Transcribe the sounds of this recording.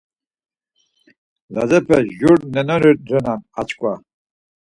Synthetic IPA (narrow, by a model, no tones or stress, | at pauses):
lazɛpʰɛʒuɾnɛnɔɾid̪ɾɛnana̰t͡ʃʼkʼwa